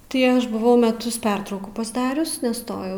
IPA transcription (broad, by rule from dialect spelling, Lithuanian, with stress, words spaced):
tɐɪ ˈɐʃ bʊˈʋɐʊ mʲɛˈtʊs ˈpʲɛrtrɐʊkuː pɐzˈdɑːrʲʊs nʲɛˈstoːjɛʊ